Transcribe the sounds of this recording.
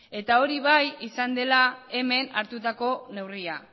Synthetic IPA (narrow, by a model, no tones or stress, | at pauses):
e̞t̪ao̞ɾiβajisand̪e̞lae̞me̞na̰ɾt̪ut̪ako̞ne̞wria